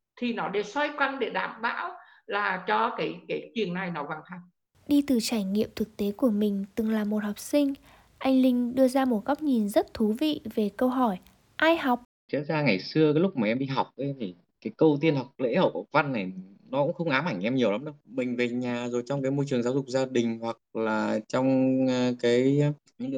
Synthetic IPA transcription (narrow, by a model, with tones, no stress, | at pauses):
t̪ʰi˨˩nɔ˨˦ɗe˧˩swa˧jkwa˧nɗe˧˩ɗaː˧˩mɓa̰ː˧˥w | laː˨˩t͡ɕɔ˧kaː˨˦jkaː˨˦jt͡ɕwi˨˩əŋna˨˩jnɔ˨˦vaː˨˩ŋt̪ʰaː˧˩ | ɗi˧t̪ɨ˨˩t͡ɕaː˧˩jŋḭ˧˨əmt̪ʰɨ˨˩k̚t̪e˨˦ku˧˩əmï˨˩ŋ̟t̪ɨ˨˩ŋlaː˨˩mo˨˩t̚hɔ˨˩wk͡p̚sï˧ŋ̟ | ʔa˧jŋ̟lï˧ŋ̟ɗɨ˧əzaː˧mo˨˩t̚ɣa˦˥wk͡p̚ɲi˨˩nzə˦˥t̚t̪ʰu˨˦vḭ˧˨ve˨˩kə˧wɦɔ˧˩j | ʔaː˧jha˨˩wk͡p̚ | zḭ˧˥ən̚zaː˧ŋa˨˩jsɨ˧əkaː˨˦jlʊ˦˥k͡p̚maː˨˩ʔɛ˧mɗḭ˧ɦa˨˩wk͡p̚ʔə˨˦jvi˧˩ | kaː˨˦jkə˧wt̪̬i˧ənha˨˩wk͡p̚lḛ˧˥hə̰˧˨wa˨˩va˧nːa˨˩jnɔ˨˦kʊ̰˧˥ŋ͡mxə˧wŋ͡mʔaː˨˦mʔa˧˩ŋ̟ʔɛ˧mɲi˨˩əwla˨˦mɗə˧˦wmï˨˩ŋ̟ve˨˩ɲaː˨˩zo˨˩jt͡ɕɔ˧wŋ͡mkaː˨˦jmo˧jt͡ɕɨ˨˩əŋzaː˨˦wzʊ˨˩k͡p̚zaː˧ɗï˨˩ŋ̟hwa˨˩k̚laː˨˩t͡ɕɔ˧wŋ͡mkaː˨˦j | ɨ˧˥ŋ˧˦